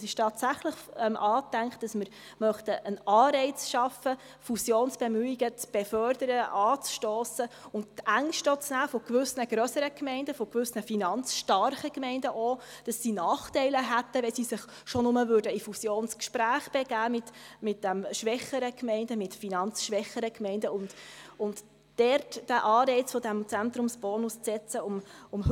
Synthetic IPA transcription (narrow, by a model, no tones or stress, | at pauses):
sɪʃtɑːtsæχləχɛmʔɑːt̪ːæŋkχt̚d̥ɑsmɪɾ | mœχtəʔənɑːɾɛɪt͡sʃɑfə | fusjoːnsb̥emyːiɡət͡sb̥efœɾdəɾəʔɑːt͡sʃtoːsəʊnttæŋʃtot͡snæːfɔkʋʏsnəɡ̥ɾœsəɾəkmɛɪndəfɔkʋʏsnəfinɑnt͡sʃtɑɾχəkmɛɪndəʔod̥ɑsːinɑːχtɛɪləɦæt̪ːəʋɛsisɪχ | ʃɔnʊməvʉːɾdəifusjoːnskʃpɾæːχb̥ɛɡ̥æːmɪtmɪt̚d̥æmʃʋɛχəɾəkmɛɪndəmɪtfinɑnt͡sʃʋɛχəɾəkmɛɪndəʊndʊnt | d̥ɛɾtd̥æʔɑːɾɛɪt͡sfɔd̥æmt͡sænt̪ɾʊmsb̥ɔːnust͡sɛt͡səʊmʊm